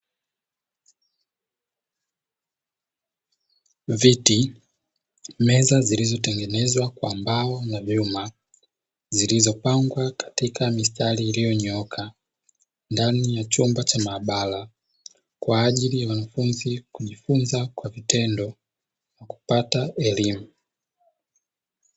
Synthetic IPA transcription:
viti | mɛzazilizɔtɛŋɡɛnɛzwakwambaɔnavjuma | zilizɔpaŋɡwakḁtikamistaliːlijɔɲɔkʰa | ndanijat͡ʃumbat͡ʃamaːɓala | kwaːʄilijawanafunzikuʄifunzakwavitɛndɔ | naku̥pataʔɛlimu

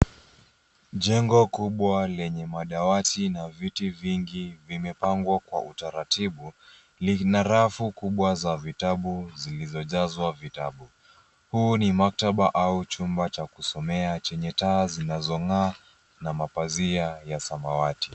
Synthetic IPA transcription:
ʄɛŋɡɔkuɓwalɛɲɛmaɗawatinavitiviŋɡivimɛpaŋɡwakwa̰ʔutaɾatiɓu | linaɾafukuɓwazavitaɓuzilizɔʄazwavitaɓu | huːnimak̚taɓaʔaut͡ʃumbat͡ʃakusɔmɛat͡ʃɛɲɛtaːzinazɔŋaː | namapaziajasamawati

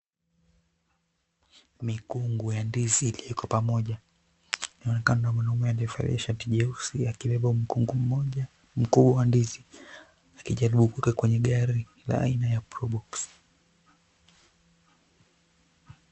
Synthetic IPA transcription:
mikuŋɡujandiziːlijɔkɔpamɔʄa | ninaɔnɛkananamanaumaliɔfa̰ɾɛʃatiʄɛusiakilɛvauŋɡum̩ɔ | m̩kuɓwawandizi | akiʄaɾiɓukuwɛkakwɛɲɛɠaɾi | la̰a̰inajapɾɔɗɔks

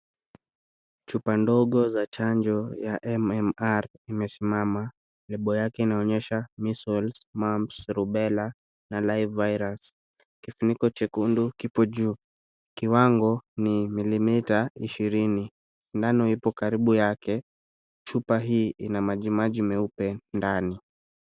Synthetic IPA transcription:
t͡ʃupandɔɠɔzat͡ʃaɲd͡ʒɔjaʔɛmɛmaɾimɛsimama | lɛɓɔjakɛinaɔɲɛʃamisɔlsmampsɾuɓɛla | nalajvːaiɾas | kifunikɔt͡ʃɛkundukipɔʄuː | kiwaŋɡɔnimilimitaiʃiɾini | indanɔipɔkaɾiɓujakɛ | t͡ʃupaɦiːʔinamaʄimaʄimɛupɛndani

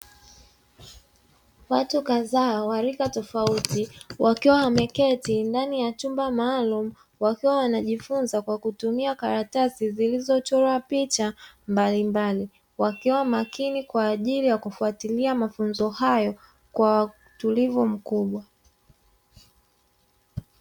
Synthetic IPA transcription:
watukaðaːwaɾikatɔfautiwʔakiwawamɛkɛtindanijat͡ʃumbamaːlumu | wakiwawanaʄifunzakwakutumiakaɾatasizilizɔt͡ʃɔɾɔapit͡ʃambalimbali | wakiwamakinikwaːʄilijakufuatiliamafunzɔhajɔ | kwawa | tulivum̩kuɓwa

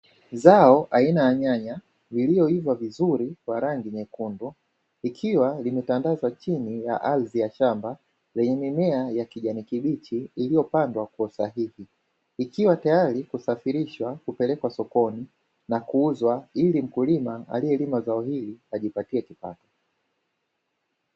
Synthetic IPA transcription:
zaɔʔainaaɲaɲa | liliɔivwavizuɾikwaɾaŋɡiɲɛkundɔ | ikʰiwalimɛtandazat͡ʃinija̰ʔalziaʃamba | lɛɲɛmimɛajakiʄanikiɓit͡ʃiːlijɔpandwakɔsaɦihi | ikiwatajaɾikusafiɾiʃwakupɛlɛkwasɔkɔni | nakuuzwailim̩kulimaa̰liɛlimazaɔɦiliaʄipatiɛkipa̰tɔ

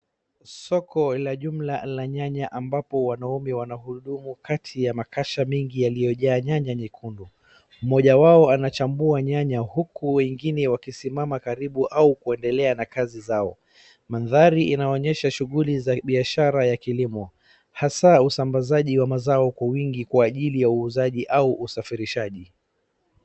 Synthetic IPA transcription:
sɔkɔlaʄum̩lalaɲaɲaʔambapɔwanaɔmɛwanaɦuɗumukatʰijamakaʃamɛŋɡijalijɔʄaːɲaɲaɲikʰundu | m̩mɔʄawaɔanat͡ʃambuaɲaɲahukuwɛŋɡinɛwakisimamakaɾiɓuʔaukuɛndɛlɛanakazizaɔ | manðaɾiʔinaɔɲɛʃaʃuɣulizaɓiaʃaɾajakilimɔ | hasausambazaʄiwamazaɔkwawiŋɡikwaːʄilijauːzaʄiʔauʔusafiɾiʃaʄi

